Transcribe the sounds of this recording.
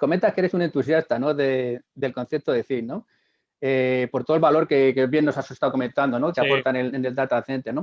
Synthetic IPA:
koment̪akeeɾe̞sune̞nt̪us̬jast̪ano̞ðeðe̞lko̞nθe̞p̚t̪oðeθino̞ | epo̞ɾt̪o̞elβalo̞ɾke̞keβje̞nːo̞sase̞st̪awko̞mẽ̞nt̪and̪o̞no̞keapo̞ɾt̪anelene̞ld̪at̪aðθent̪eno̞

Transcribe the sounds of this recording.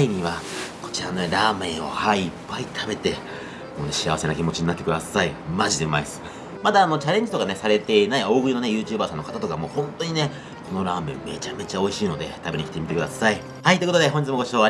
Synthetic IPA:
iɲ̟iβako̞̥t͡ɕiɾano̞neɾaːmẽ̞ɰ̃o̞̰haiːpːait̪ʰabe̞t̪e̞ | mo̞ːne̞ɕiaβase̞nakʲimo̞t͡ɕiɲ̟inat̪ːekɯ̟d̪asaimaʑid̪e̞maisɨ̥ | mat̪aːno̞t͡ɕaɾẽ̞ɲ̟d͡ʑi̥t̪o̞kane̞saɾe̞t̪e̞inaio̞ːɡɯ̟ɾʲino̞ne̞jɯ̟ːt͡ɕɨːbaːsãnːo̞kat̪at̪o̞kamo̞ːhõ̞nt̪o̞ɲ̟ine | ko̞no̞ɾaːmẽ̞mːe̞t͡ɕame̞t͡ɕao̞iɕiːno̞d̪e̞̰t̪abeɲ̟ikʲi̥t̪emit̪e̞kɯ̟d̪asai | hait̪oikot̪od̪e̞xoɲ̟d͡ʑit͡sɨmoɡo̞ɕio̞ːβa

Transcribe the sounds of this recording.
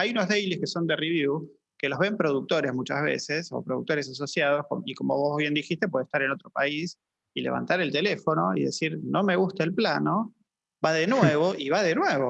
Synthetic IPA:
ajunozðejliskeso̞nd̪e̞riβju | ke̞lo̞zβe̞mpɾo̞ðuk̚t̪o̞ɾezmut͡ʃazβ̞ḛseso̞̰pɾoðṵk̚t̪o̞ɾes̬as̬o̞sjað̞o̞skomikomo̰βo̞zβje̞nd̪ixist̪epwe̞ðeht̪aɾeno̞t̪ɾo̞pais | ile̞βa̰nt̪aɾelt̪elefo̞no̞ḭðesiɾno̞me̞ɣust̪aelplano̞ | baðenweβo̞ʔiβaðenwe̞βo̞

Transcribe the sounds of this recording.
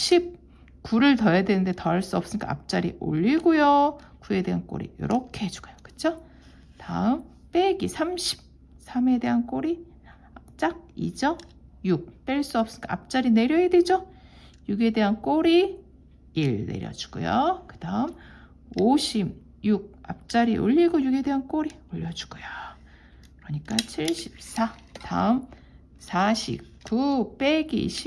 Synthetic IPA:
ɕʰip̚ | kuɾɯɭtʌjadwenɯnde̞tʌaɭs͈uʌps͈ɯnk͈aa̰p̚t͡ɕ͈aɾḭʔo̰ʎːiɡojo | kue̞de̞ɦank͈o̰ɾḭjʌ̰ɾʌkʰe̞ɦed͡ʑu̥ɡ̥ujo̥kɯ̥t͡ɕʰo | taɯm | p͈e̞ɡisʰamɕʰi̥p̚ | sʰame̞de̞ɦank͈oɾi | t͡ɕ͈ak̚ḭd͡ʑʌjuk̚p͈e̞ɭs͈uʌp̚s͈ɯnkaa̰p̚t͡ɕ͈aɾine̞ɾjʌɦedwed͡ʑo | juɡe̞de̞ɦank͈oɾi | iɭnḛɾjʌ̰d͡ʑu̥ɡo̰jo̰kɯd̥aɯm | oɕʰib̚ | juɡ̚a̰p̚t͡ɕ͈aɾḭʔo̰ʎːiɡojuɡe̞de̞ɦank͈oɾioʎːʌd͡ʑu̥ɡujo | kɯɾʌɲik͈at͡ɕʰiɭɕʰi̥p̚s͈ʰa | ta̰ɯm | sʰaɕʰḭp̚k͈up͈e̞ɡḭɕʰi

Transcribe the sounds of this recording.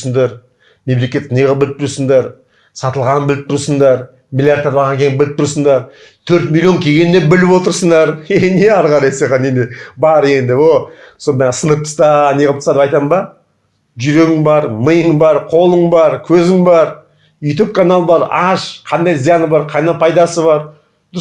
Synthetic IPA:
səɴd̪ɑɾ | me̞mle̞kʲe̞t̪nejʁɑbɪlɪp̚t̪ʰʊɾsəɴd̪ɑɾ | sɑt̪əlˠʁɑnbɪlɪp̚t̪ʰʊɾsəɴd̪ɑɾ | milʲˠjaɾd̪eɾbɑɾʁɑŋkʲʰe̞jɪnbɪlɪp̚t̪ʰʊɾsəɴd̪ɑɾ | t̪ʰɵɾt̪mʲilʲˠjo̞ŋkʲʰe̞ɡʲe̞nːe̞bɪlɪpwo̞t̪əɾsəɴd̪ɑɾeneɑɾʁɑɾɑjseqɑnemebɑɾe̞nd̪ɪwolˠso̞nd̪ɑsənət̪ʰːə̥st̪ɑneɪlˠəp̚t̪sɑd̪əpɑjt̪ɑmbɑ | ʒʏɾe̞ɡʲɪŋbɑɾməjəŋbɑɾqʰo̞lˠəɴbɑɾkʲʰɵzɪŋbɑɾ | jut̪up̚kʰanalˠəbɑɾɑʃqʰɑnd̪ɑjzijɑnəbɑɾqʰɑjnɑpʰɑjd̪ɑsəβɑɾ | d̪

